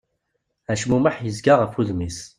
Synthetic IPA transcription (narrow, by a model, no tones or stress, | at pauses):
æʃmumaħjəzɡaʁəfuðmis